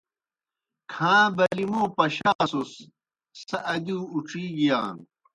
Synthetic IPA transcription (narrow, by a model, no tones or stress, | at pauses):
kʰãːbɐlimoːpɐɕaːsusː | ɐʔɐd̪iːuʈ͡ʂiːɡijaːn